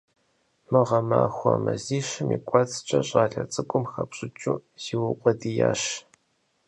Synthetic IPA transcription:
mɨʁɐmaːxʷɐmɐziːʃɨmiːkʷʼɔt͡sʰʼt͡ʃʼɐɕʼaːɮɐt͡sʼɨkʷʼʊmxɐpɕʼɪt͡ʃʼuːz̥iwʊqʷʼɔdijaːɕ

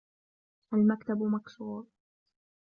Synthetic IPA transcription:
ʔalmakt̪abmaksuːɾ

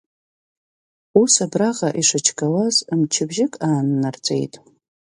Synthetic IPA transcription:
usabraʁaʔiʂɨt͡ʃʰkʼawazmt͡ʃʰɪbʒɪkʼaːnːart͡sʼe̞̰jtʼ

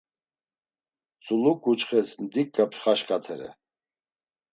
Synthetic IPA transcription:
t͡sʼulukːut͡ʃχɛsmd̪ik̚ɡapʃχaʃkʼat̪ʰɛɾɛ̰

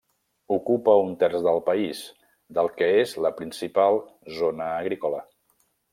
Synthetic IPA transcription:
ukupəunt̪ɛrzðəlˠpəiz | d̪əlˠkəezləpɾinsipalˠzonəːɣɾikolə

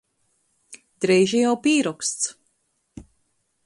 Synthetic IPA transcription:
d̪̥ɾɛjʒijawpiːɾɔkst̪s

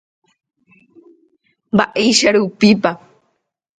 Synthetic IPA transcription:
baʔiʃaɾupipa

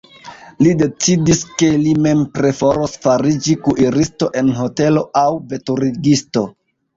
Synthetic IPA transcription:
lide̞t͡sidiske̞lime̞mpɾe̞foɾosfaɾid͡ʒikuʔiɾisto̞ʔe̞nɦo̞te̞lo̞awve̞tuɾiɡisto̞

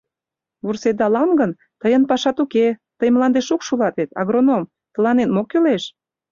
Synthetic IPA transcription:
βursed̪ɑlɑmɡən | t̪əjənpɑʃɑt̪uket̪əjmlɑnd̪eʃukʃulɑt̪et̪ɑ̰ɣɾonom | t̪ə̆lɑnenmokːyleʃ

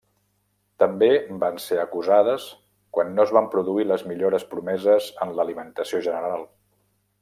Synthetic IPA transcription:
t̪əmbebanseəkuzaðəs | kwanːoəzβampɾuðuiləzmiʎoɾəspɾumɛzəzənləlimənt̪əsioʒənəɾalˠ

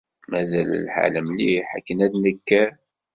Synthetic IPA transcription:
mæzællħa̰ləmliħakːənæd̪nəkːæ

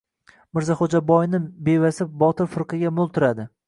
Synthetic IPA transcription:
mɪɾzaχod͡ʒabɒjnɪbevasɪp̚bɒt̪ʰɪɾfɪɾqɨɡʲamʊlˠt̪ʰʊɾad̪ɪ

